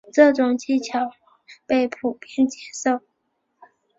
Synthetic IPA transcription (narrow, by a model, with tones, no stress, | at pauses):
ʈ͡ʂɤ˥˩ʈ͡ʂʊ˨˩ŋt͡ɕi˥˩t͡ɕʰjɑ˨˩˥ʊ˥pe˥˩ɪpʰu˨˩pjɛ˥nt͡ɕjɛ˧˥ʂo˥˩ʊ